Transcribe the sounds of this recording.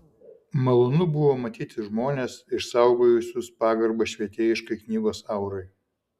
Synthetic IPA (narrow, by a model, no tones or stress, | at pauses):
mɐlˠonʊbʊʋoːmɐt̪ʲiːt̪ʲɪʒmoːnʲeːsɪʃsɐˑʊɡoːjʊsʲʊspɑːɡɐɾbɐʃʲʋʲiɛt̪ʲeːjɪʃkɐɪknʲiːɡoːsɐʊɾɐɪ